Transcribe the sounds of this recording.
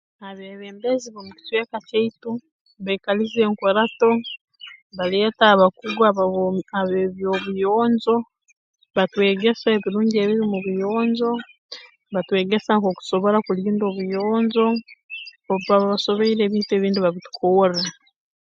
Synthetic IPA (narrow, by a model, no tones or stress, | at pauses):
aβeβeːmbeziβomuci̥tweːkaceitu | βejkalizeːŋkoɾato̞ | βaleːtaːβakuɡaaβeβjo̞βujoːɲzo̞ | βatwe̞ːɡe̞saeβiɾuːɲɟie̞βiβimuβujoːɲzo̞ | βatwe̞ːɡe̞saŋko̞ku̥so̞βo̞ɾakuliːndo̞ːβujoːɲzo̞ː | ββaβaβaso̞βeiɾe̞ːβiːtue̞ːβiːndiβaβitu̥kʰoːra